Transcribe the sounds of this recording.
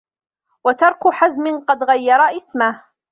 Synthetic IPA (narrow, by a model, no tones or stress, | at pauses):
wat̪ɑɾˤkʊħazmɪnqɑd̪ɣajːɑɾˤɑʔɪsmah